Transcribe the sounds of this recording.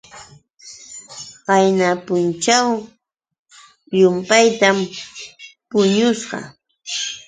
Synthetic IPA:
ɢɑjnapʊnt͡ʃaw | ʎʊmpajt̪am | pʊɲʊsɢɑ̰

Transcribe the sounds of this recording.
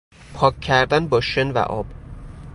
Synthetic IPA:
pʰɒːcʰːæɾd̪ænbɒːʃenvæ̰ʔɒ̰ːb̥

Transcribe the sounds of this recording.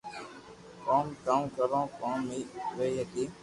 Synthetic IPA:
kaːmkaːmkəɾõːkaːmːiːʋeiɦəkiː

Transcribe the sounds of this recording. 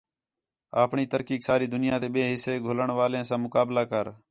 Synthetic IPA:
aːpɳiːt̪əɾkiːksaːɾiːd̪ʊnɪjãːt̪eːɓẽːɦɪseːɡʱoːləɳʋaːlẽːsãːmʊkaːblaːkəɾ

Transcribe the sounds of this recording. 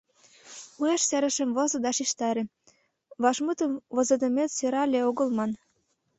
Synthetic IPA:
ueʃsæɾə̆ʃə̆mβŏzɤ̆d̪ɑʃiʃt̪ɑɾĕ | βɑʃmut̪ə̆mβŏzɤ̆d̪ə̆met̪seɾɑlʲeoɣə̆lmɑn

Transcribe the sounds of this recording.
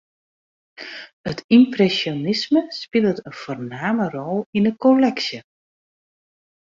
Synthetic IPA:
ətimprɛsjonɪsməspɪlˠtənfoːrnaːmərɔlˠinəkolɛksjə

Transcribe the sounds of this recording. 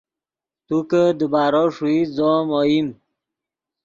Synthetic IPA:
t̪ukəd̪əbaːɾɔʂuizɔmɔjim

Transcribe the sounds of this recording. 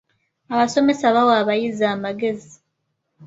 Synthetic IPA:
aβaso̞me̞saβawaβajizaːmaɡe̞zi

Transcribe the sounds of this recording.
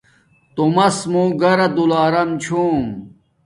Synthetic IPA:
t̪umɐsmoːɡɐɾɐd̪ulaːɾɐmt͡ɕʰuːm

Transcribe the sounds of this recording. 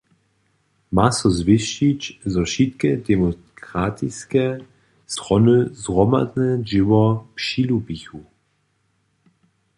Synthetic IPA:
masɔzvɪʃit͡ɕzɔʃit̪kɛd̪ɛmɔkʁat̪ʰiskɛ | st̪ʁɔnəzʁɔma̰d̪nɛd͡ʒɪwɔpʂilupixu

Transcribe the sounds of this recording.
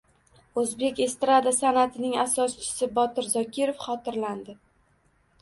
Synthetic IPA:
ɵzbe̞kʲe̞st̪ɾad̪asanat̪ʰɪnɪŋasɒst͡ʃʰɪ̥sɪbɒt̪ɪɾzɒkʲɪɾofχɒt̪ɪɾland̪ɪ

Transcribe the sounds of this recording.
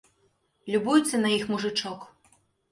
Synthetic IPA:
lʲubujusʲːɐnɐjixmuʐɨt͡ʂɔk

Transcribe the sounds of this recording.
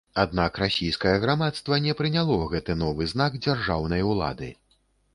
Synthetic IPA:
ad̪̚nakrasʲijskɐjɐɣɾamat̪st̪vɐnʲɛpɾɨnʲalˠɔɣɛt̪ɨnɔvɨznaɡd͡zʲarʐawnɐjwlˠa̰d̪ɨ̰

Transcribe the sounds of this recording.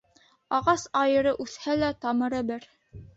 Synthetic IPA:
ɑʁɑsɑjɤ̆ɾɤʔʉθhælæt̪ɑmɤ̆ɾɤbɘɾ

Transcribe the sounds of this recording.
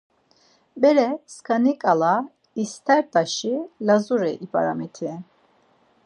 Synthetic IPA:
bɛɾɛskʰanikʼala | ist̪ʰɛɾt̪ʼaʃilazuɾɛʔipʼa̰ɾa̰mit̪ʰɛ

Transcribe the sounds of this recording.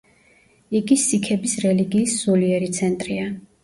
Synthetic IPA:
iɡisikʰɛbisɾɛliɡiːsz̥uliɛɾit̪sʰɛnt̪ʼɾia

